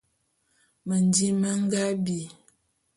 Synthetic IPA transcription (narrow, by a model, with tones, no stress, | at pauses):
mə˨n˨di˦mə˦ŋ̩˦ɡa˦bi˨